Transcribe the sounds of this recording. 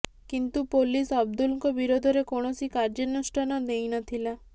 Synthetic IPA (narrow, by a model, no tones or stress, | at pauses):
kint̪upolisɔb̚d̪ulŋkɔbiɾod̪ʱɔɾekɔɽ̃ɔsikaɾd͡ʒɔnusʈɔnɔd̪ejnɔt̪ʰila